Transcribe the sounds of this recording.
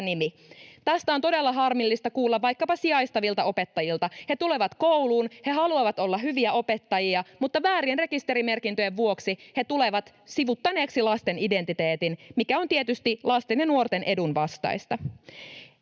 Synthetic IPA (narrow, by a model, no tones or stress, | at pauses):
nimi | t̪æst̪æont̪ode̞lːɑɦɑrmilːist̪ɑkuːlːɑʋʋɑjkːɑpɑsiɑjst̪ɑʋilt̪ɑo̞pe̞t̪ːɑjilt̪ɑhe̞t̪ule̞ʋɑt̪kowluːnhe̞ɦɑluɑʋɑt̪o̞lːɑɦyʋiæo̞pet̪ːɑjiɑmut̪ːɑʋæːɾienre̞kist̪e̞ɾime̞rkint̪øjeʋʋuo̞ksihe̞t̪uleʋɑt̪ | siʋut̪ːɑne̞ːksilɑst̪enide̞nt̪it̪e̞ːt̪inmikæo̞nt̪iet̪yst̪ilɑst̪enjɑnuort̪enʔe̞dunʋɑst̪ɑ̰ist̪ɑ